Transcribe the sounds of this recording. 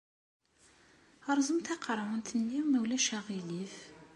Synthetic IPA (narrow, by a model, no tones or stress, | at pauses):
ɑɾˤzˤəmt̪æqɑɾˤwənt̪ʰənːiwmæwlæʃæʁilif